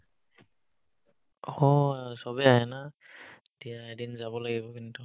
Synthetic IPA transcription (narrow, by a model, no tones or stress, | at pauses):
ɔsɔbɛaɦɛna | tijaɛdinzabɔlaɡibɔkintu